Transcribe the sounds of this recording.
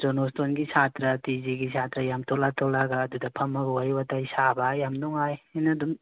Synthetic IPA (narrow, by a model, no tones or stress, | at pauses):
d͡ʒonostonɡisʰatɾɐtiziɡisʰatɾɐjamtʰolatʰolaɡaːdudɐpʰɐmɐɡuajbataisabajamnuŋajinɐdum